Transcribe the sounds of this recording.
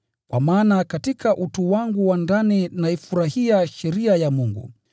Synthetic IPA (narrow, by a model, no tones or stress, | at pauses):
kwamaːnakatikʰaʔutuwaŋɡuwandaninaifuɾahiaʃɛɾiajamuŋɡṵ